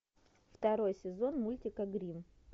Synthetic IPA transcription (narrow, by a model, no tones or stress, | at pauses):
ft̪ɐɾo̞jsʲɪzo̞nmulʲtʲɪkəɡɾʲim